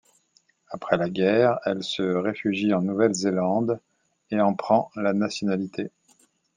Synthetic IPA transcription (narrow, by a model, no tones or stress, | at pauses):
apχɛlaɡʲɛʁɛlsəʁefyʒiɑ̃nuvɛlzelɑ̃d̪ | eɑ̃pχɑ̃lanasjɔnalit̪ʰe